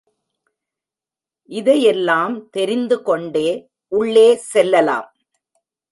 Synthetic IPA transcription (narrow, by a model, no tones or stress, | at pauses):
ʔɪðɐjɛlːaːmt̪ɛɾɪnd̪ɯkɔɳɖeː | ʔʊɭːeːsɛlːɐla̰ːm